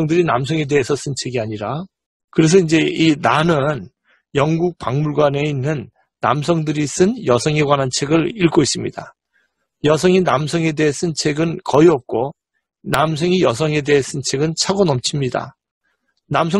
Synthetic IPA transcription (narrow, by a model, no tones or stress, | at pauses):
ŋdɯɾinamsʰʌŋe̞de̞esʰʌs͈ɯnt͡ɕʰe̞ɡiaɲiɾa | kɯɾe̞s̬ʰʌind͡ʑe̞inanɯn | jʌŋɡuk̚paŋmuɭɡwane̞inːɯnː | a̰msʰʌŋdɯɾis͈ɯnjʌsʰʌŋe̞ɡwanɦant͡ɕʰe̞ɡɯɾiɭk͈ois͈ɯmɲid̥a̰ | jʌs̬ʰʌŋinamsʰʌŋe̞de̞es͈ɯnt͡ɕʰe̞ɡɯnkʌiʌp̚k͈o | nams̬ʰʌŋijʌsʰʌŋe̞de̞es͈ɯnt͡ɕʰe̞ɡɯnt͡ɕʰaɡonʌmt͡ɕʰimɲida̰ | namsʰʌ